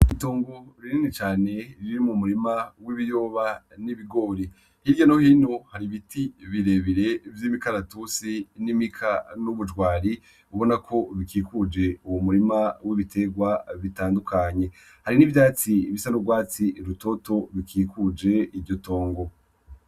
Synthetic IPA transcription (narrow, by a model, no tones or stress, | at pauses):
iβito̞ːŋɡo̞ɾininit͡ʃaːne̞ɾiɾimumuɾimawiβijo̞βaniβiɡo̞ːɾi | hiɾɟonohiːno̞haɾiβitiβiɾe̞βiɾe̞vjimikaɾatusinimikʰanuβud͡ʒɡwaːɾi | uβo̞nakʰo̞βikikud͡ʒe̞uwumuɾimawiβitʰe̞ɡwaβitaːndukʰaɲe̞ | haɾinivjat͡siβisanobɡwaːt͡siɾuto̞to̞βikʰiːkud͡ʒe̞ivɟo̞to̞ːŋɡo̞